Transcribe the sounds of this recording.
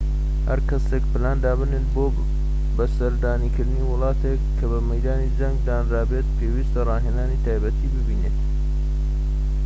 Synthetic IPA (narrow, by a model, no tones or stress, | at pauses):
hɐɾkɐsekpɨlaːnd̪aːbɨnet̪̚boː | bɐsɐɾd̪aːniːkɨɾd̪ɨniːwʊlˠɑːt̪ʰekʰːɐbɐmɐjd̪aːnid͡ʒɐŋɡd̪aːnraːbeːt̪̚pʰeːwist̪ɐrˤɑːɦenaːnit̪ʰaːjbɐt̪ʰiːbɨbiːnet̪